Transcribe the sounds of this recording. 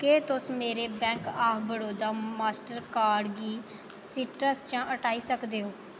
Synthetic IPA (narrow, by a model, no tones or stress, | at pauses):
keːt̪ʊsmeːɾeːbɛ̃ːŋkaːbəɽoːd̪aːmaːsʈəɾkaːɾɖɡiː | siːʈɾəst͡ʃãːʔəʈaːiːsəkd̪eːɦoː